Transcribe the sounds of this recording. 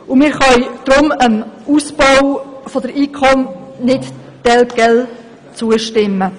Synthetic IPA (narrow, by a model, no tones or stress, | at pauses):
ʊmɪːɾχœjd̥ɾʊməmusb̥ɔwfodəɾiːkʰɔmnɪt | d̥ɛlɡ̥ɛl | t͡suːəʃtɪmə